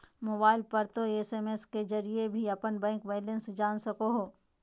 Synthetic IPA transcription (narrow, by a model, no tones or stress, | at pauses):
moːbaːɪlpɐɾt̪oeseːmesked͡ʒɐɾiebʱiɐpənbɛ̃ːŋkʋɛːlə̃nsd͡ʒaːnsɐkoɦoː